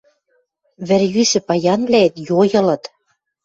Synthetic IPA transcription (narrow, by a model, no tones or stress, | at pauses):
βɘ̆rjysɘ̆pɑjɑnβlæet̪jojɤ̆lɤ̆t̪